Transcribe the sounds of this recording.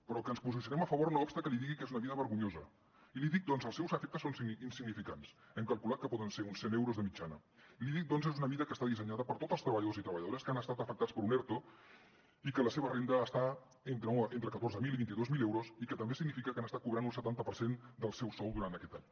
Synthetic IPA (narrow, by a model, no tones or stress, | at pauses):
pəɾɔkənspuzisjunɛməfəβoɾunəɔpst̪əkəliðiɣikezunəβiðəβəɾɣuɲozə | iliðik̚d̪ɔnzəlˠsɛwzəfɛk̚t̪əsonsinsiɡnifika̰nsɛmkəlˠkulat̪̚kəpɔðənseunsenewɾozðəmid͡ʒanə̰iliðik̚d̪ɔnzezunəmiðəkəst̪aðisəɲaðəpəɾt̪ot̪əlst̪ɾəβəʎðozit̪ɾəβəʎəðoɾəskanəst̪at̪əfək̚t̪at͡spəɾunɛɾt̪o | ikələseβərend̪əːst̪a | ent̪ɾəent̪ɾəkət̪orzəmiliβint̪iðozmilewɾosikət̪əmbesiɡnifikəkanəst̪akuβɾanunsət̪ant̪əpəɾsend̪əlˠsɛwsɔlˠd̪uɾant̪əkɛt̪a̰ɲ